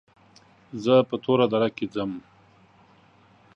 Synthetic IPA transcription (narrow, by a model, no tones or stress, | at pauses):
zəpət̪ʰoɾad̪aɾaked͡zəm